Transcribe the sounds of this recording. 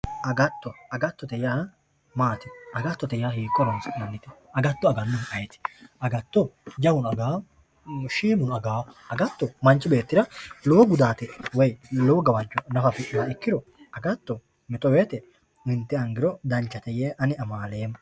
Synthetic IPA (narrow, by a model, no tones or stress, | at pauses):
ʔɐɡɐt̪ːɔɐɡɐt̪ːɔt̪ɛjaː | maːt̪ɪʔɐɡɐt̪ːɔt̪ɛjaːhiːkːɔɾɔnsnɐnːɪt̪ɛ | ɐɡɐt̪ːɔɐɡɐnːʊnɐjɛt̪ɪ̥ɐɡɐt̪ːɔd͡ʒɐwʊnɐɡaː | ʃeːmʊnɐɡaː | ɐɡɐt̪ːɔmɐnt͡ʃʼːɪbe̞ːt̪ːɪɾɐloːɡʊd̪aːt̪ɛwɛjloːɡɐwɐnt͡ʃːɔnɐfɐfɪʔaɪkːɪɾɔ | ɐɡɐt̪ːɔ | mɪt̪ɔweːt̪ɛ | ɪnt̪ːɛɐŋɡɪɾɔd̪ɐnt͡ʃːɐt̪ɛjeːʔɐnɪɐmaːleːm